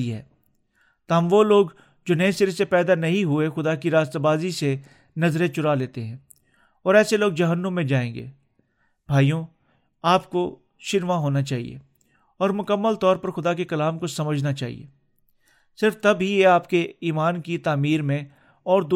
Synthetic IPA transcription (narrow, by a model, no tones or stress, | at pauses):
iɦɛ̰ː | t̪ɦɐmʋoloːɡ | d͡ʒoːnẽːsɪɾsepɛːd̪anɐɦĩɦʊexʊd̪akiɾaːst̪abaːzise | nɐzɾẽt͡ʃʊɾaleːt̪eɦɛ̃ː | ɔːɾɛːseloːɡ̚d͡ʒɐɦənːʊ̃ːẽd͡ʒaːẽːŋɡḛː | b̥ʱaːijõ | aːpko | ʃɪnʋaɦoːnat͡ʃaːɦḭḛ | ɔːɾmʊkəmːəlt̪ɔːɾpɐɾxʊd̪akekɐlaːmkosɐməd͡ʒʱnat͡ʃaːɦḭḛː | sɪɾft̪ɐbɦijeaːpkeiːmaːnkit̪aːmiːɾmẽ | ɔːɾd̪